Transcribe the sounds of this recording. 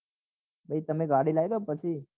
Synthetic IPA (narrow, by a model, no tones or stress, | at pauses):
bʱəit̪əmẽɡaɽilaːjd̪oːpət͡ʃʰi